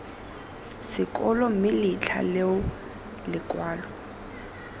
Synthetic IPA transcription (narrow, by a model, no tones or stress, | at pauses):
sɪkʼɔlɔmɪlɪt͡ɬʰa̰leʊ | lɪkʼwaːlɔ